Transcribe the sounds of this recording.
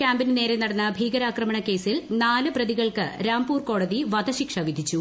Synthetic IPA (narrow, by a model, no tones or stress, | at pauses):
kaːmbinne̞ːɾenːɐɽɐnːɐbʱiːɡɐɾaːkrɐmɐɳɐke̞ːsilnaːlɨprɐðiɣɐɭkɨ̰ɾaːmpuːrko̞ːɽɐðiʋɐd̪ʱɐɕikʂɐʋid̪ʱit͡ɕːu